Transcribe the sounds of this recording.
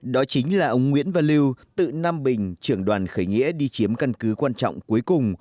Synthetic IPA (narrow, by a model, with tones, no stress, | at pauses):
ɗɔ˨˦t͡ɕï˨˦ŋ̟laː˨˩ʔə˧wŋ͡mŋwḭ˧˥ənvaː˨˩li˧wt̪ɨ̰˧˨naː˧mɓï˨˩ŋ̟t͡ɕɨ˧˩əŋɗwaː˨˩nxəː˧˩jŋḭ˧˥əɗi˧t͡ɕi˨˦əmka˧nkɨ˨˦kwaː˧nt͡ɕɔ̰˧˨wŋ͡mku˨˦əjkʊ˨˩ŋ͡m